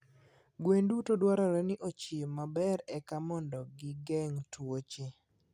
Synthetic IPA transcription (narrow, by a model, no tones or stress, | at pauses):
ɡwendutodwaɾaɾɛnɪʔot͡ʃimabɛɾɛkamɔndɔɡɪɡɛŋtwot͡ʃe